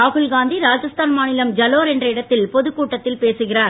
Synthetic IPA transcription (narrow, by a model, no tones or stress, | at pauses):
aːɣɯlɡaːnd̪iɾaːd͡ʒɐst̪ʰaːnmaːnɪlɐmd͡ʒɐloːɾɛndrɐɪɽɐt̪ːɪlpɔðɯkːuːʈːɐt̪ːɪlpeːsɯɣɪraːɾ